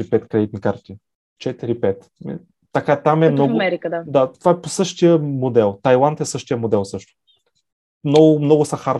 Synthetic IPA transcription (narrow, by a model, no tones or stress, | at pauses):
ɾipɛt̪kɾɛd̪it̪nikaɾt̪i | t͡ʃɛt̪iɾipɛt̪ | mḭ | t̪ɐkat̪amɛmnɔɐmɛɾikəd̪ad̪at̪ovaɛposɤʃt̪ijəmod̪ɛlˠt̪ajlˠant̪ɛsɤʃt̪ijəmod̪ɛlˠsɤʃt̪ʊ̥ | mnɔɡʊmnɔɡʊsɐxaɾ